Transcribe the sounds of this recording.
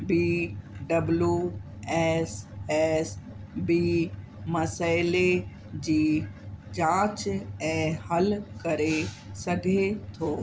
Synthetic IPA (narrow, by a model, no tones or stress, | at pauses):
biːɖɐblju | ɛːsɛːs | biː | mɐsaːɪle | d͡ʑiːd͡ʑãːt͡ɕɛ̃ːhɐlkɐɾe | sɐɡʱet̪ʰoː